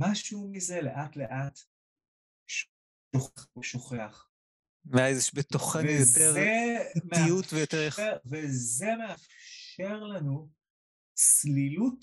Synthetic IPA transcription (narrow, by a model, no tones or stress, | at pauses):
maʃumizeleʔatleʔat | ʃ | ʃoχeχeʃoχeaχ | meaezjɛʃbet̪oχevnjot̪eʁeimeijutvejot̪eʁjaeʁvezemeafʃʃe̞ʁlanu | t͡slilut